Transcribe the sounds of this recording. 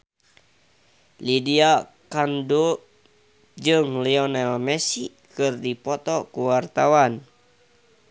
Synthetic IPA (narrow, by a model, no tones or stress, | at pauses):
lidiakando | d͡ʒɨŋliɔnɛlmɛsi | kɨrdipɔt̪ɔkuwart̪awan